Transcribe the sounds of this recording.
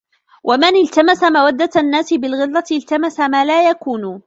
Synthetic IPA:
wʔamɪnɪlt̪amasamawad̪ːanːaːsɪbɪlɣɪlˤːɑɪlt̪amasamaːlaːjakuːn

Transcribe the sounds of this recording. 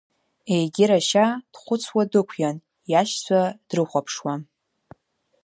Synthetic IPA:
ejɡʲɪɾaʃad̥χʷʊt͡sʰwadɨkʷʰjan | jaʃt͡sʷʰad̥rɨχʷapʰʂwa

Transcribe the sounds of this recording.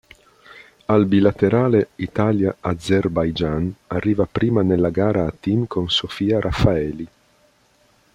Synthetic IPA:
albilat̪eɾaːleit̪aːljaad̪zerbajd͡ʒanarːiːvapɾiːmanelːaɡaːɾaːt̪ːimkʰonsofiːaɾʔafaɛːli

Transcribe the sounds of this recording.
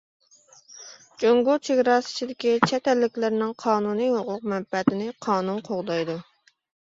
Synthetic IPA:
d͡ʒoŋɡut͡ʃʰeɡʲɾɑsi̥t͡ʃʰid̪ɪkʲit͡ʃʰɛt̪ɛlːɪkʲlɪɾnɪŋqʰɑːnunihʊqʰʊq̚mɛmpɛt̪ɪnɪqʰɑːnunqʰoʁd̪ɑjd̪u

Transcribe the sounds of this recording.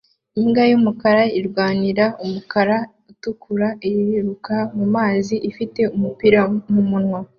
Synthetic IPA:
iŋɡajumukaɾaiɾɡwaːniɾaumukaɾa | utukʰuɾaiɾiiɾukamumaːziʔifite̞umupiɾamumunŋa

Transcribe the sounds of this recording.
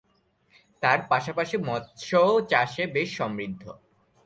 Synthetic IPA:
t̪aɾpaʃapaʃimɔt̪ʃoot͡ɕaʃebeʃːɔmɾid̪ʱːo̰

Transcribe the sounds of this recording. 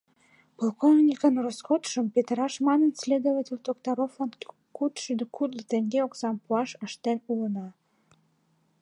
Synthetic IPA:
polˠkovnʲikənroskot̪ʃəmpet̪ɾɑʃmɑnənsʲlʲed̪ovətʲelʲd̪okt̪oɾoflɑn | kut̪ʃid̪əkud̪lˠət̪eŋɡeoksɑmpuɑʃəʃt̪enulənɑ

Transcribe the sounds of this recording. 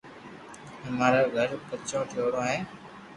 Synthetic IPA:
ɦəmaːɾaːɡʱəɾpət͡ʃõːʈʰɪjoːɽõːɦeː

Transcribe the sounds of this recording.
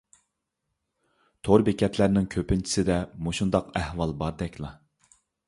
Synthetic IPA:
t̪ʰoɾbekʲʰɛt̪ʰlæɾnɪŋkʲʰøpɪnt͡ʃʰi̥sɪd̪ɛmuʃund̪ɑqæhwɑlˠbɑɾd̪ɛkʲʰlˠɑ

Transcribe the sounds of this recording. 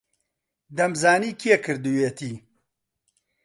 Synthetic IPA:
d̪ɐmzaːniːkʰiekʰɨɾd̪uweːt̪ʰiː

